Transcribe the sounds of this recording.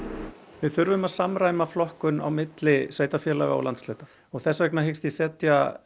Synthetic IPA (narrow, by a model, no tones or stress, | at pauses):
vɪðθʏɾvʏmaðsamɾaːjmaflɔhkʏna̰wmɪt̪lɪsveːɥjt̪afjɛːlaɣaa̰wlant̪sleːt̪ḁ | ɔɣθɛsːavɛknaɦɪkst̪isɛːt̪ja